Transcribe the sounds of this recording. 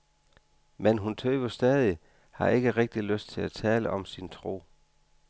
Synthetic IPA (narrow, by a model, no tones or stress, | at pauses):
menɦunt͡sʰøːb̥ɐsd̥ɛːðˠi | hɑ̈ʔe̝ɡ̥əʁeɡ̥̚d̥iløsd̥̚t͡sʰe̝læt͡sʰɛːləʔɒ̽msint͡sʰʁo̝̰ː